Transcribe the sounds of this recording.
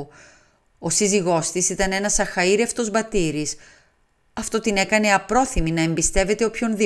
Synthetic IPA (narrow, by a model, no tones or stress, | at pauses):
o̞siziɣo̞st̪isit̪ɐne̞nɐsɐxɐiɾe̞ft̪o̞zbɐt̪iɾis | ɐft̪o̞t̪ine̞kɐne̞ɐpɾo̞θiminɐe̞mbist̪e̞ve̞t̪e̞opço̞nði